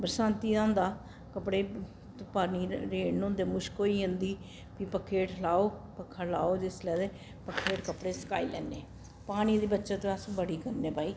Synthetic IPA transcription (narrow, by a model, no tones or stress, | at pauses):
bəɾəsãːnt̪iːãːnd̪aː | kəpɽeː | t̪paɾniːɾeːnnõːnd̪eːmʊʃkoːiːɪ̃nd̪iː | piːpəkʰːeːʈlaːoːpəkʰːaːlaːoːd͡ʒɪslɛːd̪eː | pəkʰːeːʈkəpɽeːsə̥ka̰ːḭːlɛ̰ːnːeː | paːɽ̃iːd̪iːbətːʃãːt̪õəsbəɽiːkəɾneːpaːiː